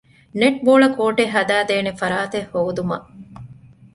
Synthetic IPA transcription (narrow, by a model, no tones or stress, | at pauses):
neʈ̚boːɭɐkoːʈeɦɐd̪æːd̪eːnefɐɾaːt̪ehːoːd̪umɐ